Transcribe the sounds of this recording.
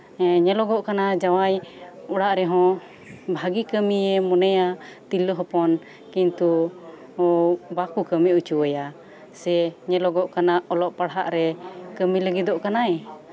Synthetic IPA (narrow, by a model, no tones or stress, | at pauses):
ɛɲɛlɔɡɔʔkanad͡ʒawajuɽaʔɾɛɦɔ̃ | bʱaɡikəmiɛmɔnɛjat̪iləɦɔpɔn | kint̪u | bakukəmiut͡ʃuwəja | sɛɲɛlɔɡɔʔkanaʔɔlɔʔpaɽɦa̰ʔɾɛkəmiləɡid̪ɔʔkanaɛ